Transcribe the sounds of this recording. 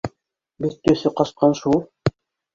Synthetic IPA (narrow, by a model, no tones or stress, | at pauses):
bit̪ːɵ̆θɘqɑʃqɑnʃulˠ